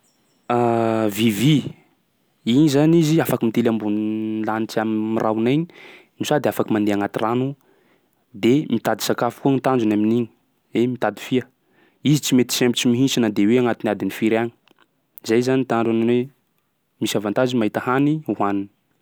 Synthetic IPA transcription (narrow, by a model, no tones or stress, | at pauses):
avivi | inizaniziafakəmit̪elambunlanit͡siammirʔawnajɲi | nisad̪eafakəmand̪eaŋat̪iranu | d̪emit̪ad̪i̥sakafu̥kunit̪and͡ʒunaminiɲi̥ | emit̪ad̪i̥fiə | izit͡simet̪i̥sempit͡simiɦinsinəd̪eweaŋat̪iniad̪inifiɾaɲi̥ | zajzanit̪aɳɖ͡ʐananwe | misavant̪azimaɦit̪əhaniwanini̥